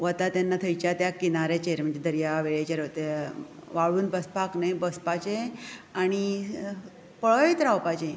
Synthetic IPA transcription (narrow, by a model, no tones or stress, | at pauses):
ʋət̪at̪janːat̪ʰəjt͡ɕat̪jakinaɾet͡ɕeɾm̤əɳd͡zed̪ʱəɾjaʋeɭet͡ɕeɾət̪e | ʋaɭuːnbəspaknajbəspat͡ɕẽaɽ̃i | pəɭəit̪ɾawpat͡ɕẽ